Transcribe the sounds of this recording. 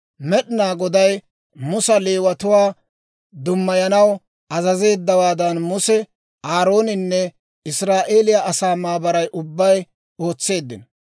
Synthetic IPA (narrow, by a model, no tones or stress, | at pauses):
mɛɗɪnaːɡɔd̪ɐj | mʊsɐle̞ːwɐt̪ʊwaː | d̪ʊmːɐjɐnɐw | ʔɐzɐze̞ːd̪ːɐwaːd̪ɐnmʊsɛ | aːɾo̞ːnɪnːɛ | ɪsɾaːʔe̞ːlɪjɐʔɐsaːmaːbɐɾɐjʔʊbːɐj | o̞ːt͡sːe̞ːd̪ːɪnɐ